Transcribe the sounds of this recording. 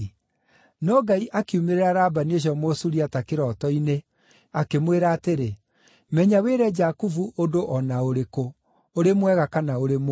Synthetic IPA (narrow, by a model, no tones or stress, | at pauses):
nɔɡaiʔakiumeɾeɾaɾaːbaneɕ̬ɔmosuɾiatakeɾɔtɔine | akemweɾaːteɾe | mɛɲaweːɾɛd͡ʒakuvuʔodoʔɔnaoɾeko | oɾemwɛɣakanaoɾemo